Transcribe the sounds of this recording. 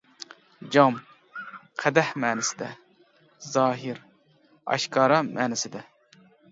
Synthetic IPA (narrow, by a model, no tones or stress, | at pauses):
d͡ʒɑm | qʰɛd̪ɛhmɛːnɪsɪd̪ɛ | zɑːɦɪɾ | ɑ̰ʃkɑːɾɑmɛːnɪsɪd̪ɛ